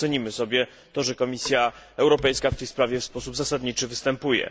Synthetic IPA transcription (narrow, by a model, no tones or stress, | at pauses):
ɛɲimɘsɔbʲjɛ | t̪ɔʐɛkɔmʲisʲjaɛwɾɔpɛjskaft̪ɛjspɾavʲjɛfspɔsubzasad̪ɲit͡ʂɘvɘst̪ɛmpujɛ̰